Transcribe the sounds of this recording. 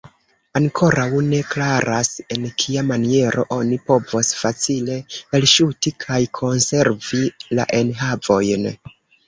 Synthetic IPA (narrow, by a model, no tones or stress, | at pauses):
aŋkʰo̞ɾawne̞klaɾʔase̞nkʰiamanie̞ɾo̞̰ʔo̞nipo̞vosfat͡sile̞elʃutikʰajkʰo̞nse̞ɾvila̰ʔe̞nɦavo̞jn